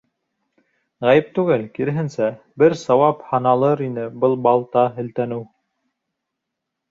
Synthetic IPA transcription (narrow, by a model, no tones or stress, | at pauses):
ʁæjɘp̚t̪ʉɡɘlkiɾɘ̆ɦɘ̆nsæ | bɘɾsɑwɑphɑnɑlˠɤɾinɘbɤlˠbɑlˠt̪ɑɦɘ̆lt̪ænɘw